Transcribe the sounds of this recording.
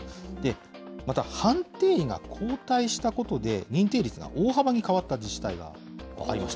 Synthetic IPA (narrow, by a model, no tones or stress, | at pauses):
d̪̥e̞ | mat̪ahãnt̪e̞ːɡa̰kʰo̞ːt̪aiɕi̥t̪ako̞t̪o̞d̪e̞̰ɲ̟ĩnt̪e̞ːɾʲit͡sɨɡa̰ʔoːɦabaɲ̟ikaβat̪ːad͡ʑiɕi̥t̪aiɡa̰ | a̰ɾima̰ɕi̥t̪